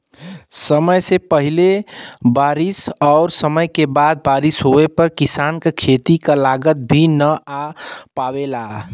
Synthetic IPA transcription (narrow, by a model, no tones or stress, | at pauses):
səməjsepəɦilebaɾisɔʊɾsəməjkebad̪̚baɾisɦoepəɾkisankekʰet̪ikalaɡət̪̚bʱinəapabela